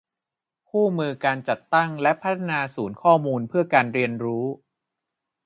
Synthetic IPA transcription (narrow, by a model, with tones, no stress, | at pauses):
kʰuː˥˩mɯː˧kaː˧nt͡ɕa˨˩t̪ːa˥˩ŋlɛ˦˥ʔpʰːa˦˥t̪ʰːa˧naː˧suː˩˦nkʰɔː˥˩muː˧npʰɯ˥˩ɐkaː˧nɾi˧ənɾuː˦˥